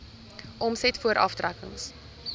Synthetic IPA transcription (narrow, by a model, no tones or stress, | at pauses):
ʔɔmsɛtfuəɾʔɐftrækə̰ŋs